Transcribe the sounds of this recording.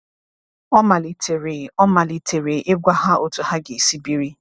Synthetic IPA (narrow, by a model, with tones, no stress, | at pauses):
ɔ˦ma˨li˨tʰe˨ɾe˨ɔ˦ma˨li˨tʰe˨ɾe˨ʔɪ˦ɡʷa˦ɦa˦ʔo˨tu˨ha˦ɡe˨si˦bi˦ɾi˦